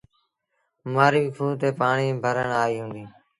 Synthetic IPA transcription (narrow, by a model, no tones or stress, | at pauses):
maːɾiːkʰuːt̪eːpaːɳiːbʱəɾəɳaːiːɦũːnd̪iː